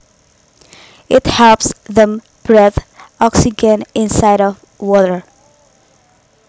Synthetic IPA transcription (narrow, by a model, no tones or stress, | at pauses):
ɪthɛlˠpsðə | b̥ɹɛθɔksid͡ʒə̃nɪ̃nsaɪɾɔv | wɔɾə˞